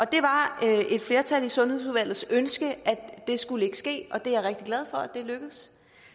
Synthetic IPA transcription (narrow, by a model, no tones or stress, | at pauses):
ʔɒ̽d̥e̝ʋɑ̈øe̝d̥fle̝ːɐt͡sʰæl̰isɔ̽nheð̰ˠs̬uðˠʋæl̰ð̩ˠsønsɡ̥əʔæ̥d̥e̝sɡ̥uləe̝ɡ̥ə̥sɡ̥e̝̰ːʔɒ̽d̥e̝jɑ̈ʁeɡ̥̚d̥iɡ̥læð̞ˠfɒ̽æd̥e̝løɡ̥əð̩ˠs